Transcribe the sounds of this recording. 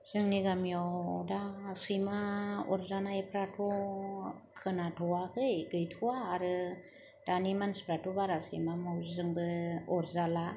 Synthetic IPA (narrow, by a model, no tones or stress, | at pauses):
sɯŋniɡamijɔwdaːsɯjmaɔ̰ɾzanajpɾatʰɔ | kʰɯnatʰɔwakʰɯjɡɯjtʰɔwaːɾɯ | d̥animanspɾatʰɔbaɾasɯ̰jmamawzzɯŋbɯɔɾzala